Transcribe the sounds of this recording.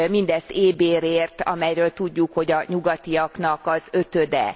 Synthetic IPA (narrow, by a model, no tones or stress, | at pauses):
mind̪ɛzeːbeːɾeːrt̪ɒ̰mɛjɾøːlt̪uɟːukhoɟɒɲuɡɒt̪iɒknɒkɒzøt̪ød̪ɛ̰